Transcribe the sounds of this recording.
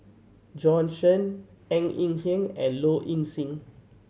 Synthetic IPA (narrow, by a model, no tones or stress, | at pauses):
d͡ʒɔ̃nʃə̃n | ɛ̃ŋĩŋhĩŋɛ̰̃nloʔĩnsĩŋ